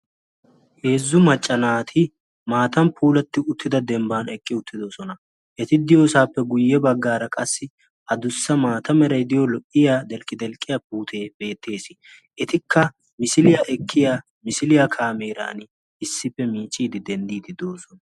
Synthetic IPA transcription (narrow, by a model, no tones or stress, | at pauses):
he̞ːzːʊmɐt͡ʃʼːɐnaːt̪ʰɪ | maːt̪ɐmpʰuːlɐt̪ːɪʊt̪ːɪd̪ɐd̪ɛmbaːnɛkʼːɪʊt̪ʰːɪd̪oːsɔnɐ | ʔɛt̪ɪd̪ɪjo̞ːsaːpːɛɡʊjːɛbɐɡːaːɾɐkʼɐsːɪ | ɐd̪ʊsːɐmaːt̪ɐmɛɾɐjd̪ɪjɔlɔʔɪjaːd̪ɛlkʼːɪd̪ɛlkʼːɪjap̚uːt̪ʰe̞ːb̥e̞ːt̪ʰːe̞ːsɪ | ʔɛt̪ɪkʰːɐ | mɪsɪlɪjaʔɛkʰːɪjaː | mɪsɪlɪjakʰaːmeːɾa̰ːnɪ | ɪsːɪpːɛmiːt͡ʃʼːiːd̪ɪd̪ɛnd̪iːd̪ɪd̪o̞ːsɔnɐ